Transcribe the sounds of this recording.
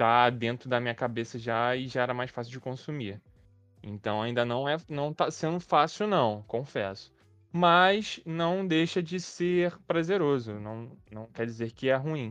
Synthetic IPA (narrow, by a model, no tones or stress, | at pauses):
t̪ad̪ẽnt̪ɾʊd̪ɐmĩɲɐkabesɐʒaɪʒaɛɾɐmajʃfasiuwd͡ʒɪkõsumi | ḛ̃nt̪ɐ̃w̃aĩnd̪ɐnɐ̃w̃ɛnɐ̃w̃t̪asẽnd̪ʊfasiwnɐ̃w̃kõfɛ̰sʊ̥ | mɐznɐ̃w̃d̪ejʃɐd͡ʒɪseχpɾazeɾozʊnɐ̃w̃nɐ̃w̃kɛɾd͡ʒɪzeɾkɪɛɦuĩ